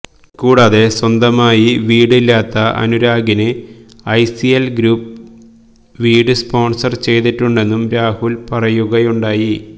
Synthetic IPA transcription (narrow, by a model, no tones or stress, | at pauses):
kuːɽaːðe̞swɐnd̪ɐmaːjiʋiːɽilːaːt̪ːɐʔɐ̰nuɾaːɡinɨ | ɐjsiɐlɡɾuːp̚ | ʋiːɽɨspo̞ːɳsɐrt͡ɕe̞jt̪iʈːuɳɖe̞nːumɾaːhulpɐrɐjuɣɐjuɳɖaːji